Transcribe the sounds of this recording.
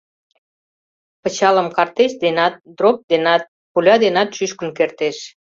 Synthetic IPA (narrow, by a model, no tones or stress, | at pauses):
pə̆t͡ɕɑləmkɑrt̪eʃd̪enɑt̪̚d̪rop̚d̪enɑt̪̚ | pulʲɑd̪enɑt̪ʃyʃkənkert̪eʃ